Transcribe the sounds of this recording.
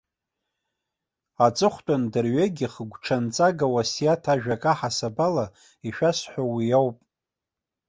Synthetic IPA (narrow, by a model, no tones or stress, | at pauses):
at͡sʼɨχʷtʼandɨrɥeɡʲiχəɡʷʈ͡ʂʰant͡sʼaɡawasijatʰaʒᶣakʼaħasabala | iʃᶣasħʷawijowpʼ